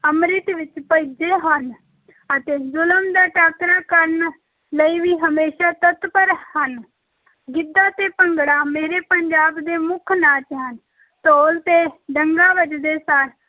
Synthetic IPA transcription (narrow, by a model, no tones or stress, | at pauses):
əmɾɪt̪ʋɪt͡ʃpəid͡ʒeːɦən | ət̪eːzʊləmd̪aːʈaːkɾaːkəɾn | ləiːʋiːɦəmeːʃaːt̪ət̪pəɾhən | ɡɪd̪ːaːt̪eːpəŋɡɽaːmeːɾeːpəɲd͡ʒaːbd̪eːmʊkʰnaːt͡ʃɦən | t̪oːlt̪eːɖəŋɡaːʋəd͡ʒd̪eːsaːɾ